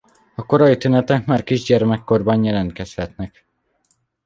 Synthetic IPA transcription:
ɒko̞ɾɒjit̪ynɛt̪ɛkmaːrkiʒɟɛrmɛkːo̞rbɒnjɛlɛnt̪kɛshɛt̪nɛk

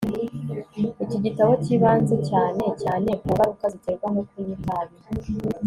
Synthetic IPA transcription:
iciɟitaβociβaːnzecaːne̞caːne̞kuːŋɡaɾukaziteɾɡwaŋokuɲitaβi

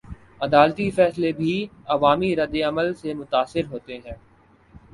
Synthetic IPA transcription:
ɐd̪aːlt̪ifɛːslebʱiɐʋaːmiɾɐd̪eɐməlsemʊt̪aːsɪɾɦoːt̪eɦɛ̃ː

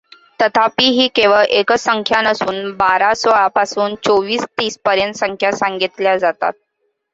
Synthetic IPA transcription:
t̪ət̪ʰapiːɦiːkeʋəɭʔekəsəŋkʰjanəsuːnbaɾasɔɭapasuːnt͡soʋiːst̪iːspəɾjənt̪səŋkʰjasaŋɡit̪ljad͡zat̪a̰t̪̚

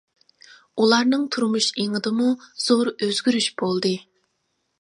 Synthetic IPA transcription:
ulˠɑɾnɨŋt̪ʰuɾmuʃeŋɨd̪ɨmuz̥oɾøzɡʲyɾyʃbolˠd̪ɨ

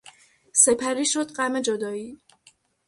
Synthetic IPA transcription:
se̞pʰæɾiːʃod̪ɢæme̞d͡ʒod̪ɒːiː

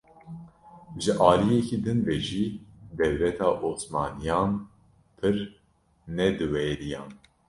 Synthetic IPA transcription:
ʒɨʔɑːlijɛkiːd̪ɨnvɛʒiːd̪ɛwlɛt̪ʰɑːʔoːsmɑːnijɑːn | pʰɨɾ | nɛd̪ɨwɛɾijɑ̰ːn

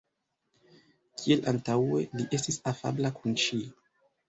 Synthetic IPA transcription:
kʰie̞lʔantawe̞̰liʔe̞stisafa̰blakunʃi

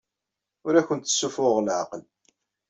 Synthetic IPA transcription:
ʊɾæçənt̪ːə̥sːufʊʁlʕa̰qəl

